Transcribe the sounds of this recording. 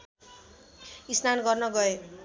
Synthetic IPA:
isnanɡʌrnʌɡʌe

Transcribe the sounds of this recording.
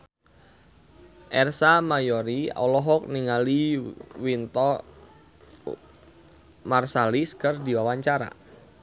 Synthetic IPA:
ʔɛrsamajɔɾia̰wlɔɦɔk̚niŋaliwint̪ɔ | marsaliskərdiwawaɲt͡ʃaɾa̰

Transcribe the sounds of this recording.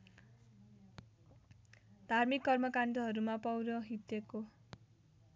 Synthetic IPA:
d̪ʱarmikːʌrmʌkaɳʈ̪ʌɦʌɾumapʌwɾʌɦit̪eko

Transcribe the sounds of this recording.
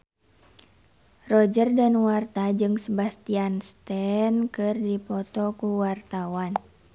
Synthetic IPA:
rɔd͡ʒərdanwart̪ad͡ʒɨŋsəbast̪ianst̪ɛnkɨrdipɔt̪ɔkuwart̪awan

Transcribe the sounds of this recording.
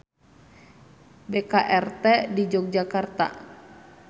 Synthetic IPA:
bɛkaʔɛrt̪ɛdid͡ʒɔk̚d͡ʒakart̪a̰

